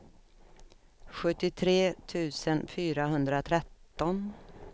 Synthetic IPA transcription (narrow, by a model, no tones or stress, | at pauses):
ɧɵt̪ːɪt̪ʰɾeːt̪ʰʉ̟ːsənfyːɾaɦɵnd̪ɾat̪ʰɾɛt̪ːɔn